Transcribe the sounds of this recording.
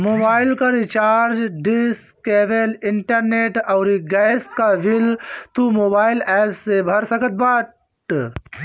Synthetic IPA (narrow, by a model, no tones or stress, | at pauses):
moːbaːɪlkaɾit͡ʃaːɾd͡ʒɖiskeːʋelɪɳʈəɾneʈɐwɾiɡɐjskaʋilt̪umoːbaːilɛːpʰsebʱɐɾsəkət̪̚baː | ʈ